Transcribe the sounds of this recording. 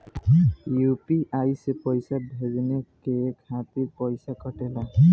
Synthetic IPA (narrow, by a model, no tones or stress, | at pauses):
jupiʔajsepɔjsabʱezinɛkekʰat̪iɹpɔjsakɔʈɛla